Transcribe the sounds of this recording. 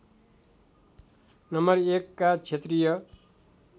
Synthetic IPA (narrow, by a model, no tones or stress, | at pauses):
nʌmʌrekːat͡sʰet̪rijʌ